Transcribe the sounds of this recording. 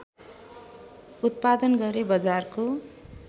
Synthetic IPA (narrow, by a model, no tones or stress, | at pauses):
ut̪̚pad̪ʌnɡʌɾebʌd͡zarko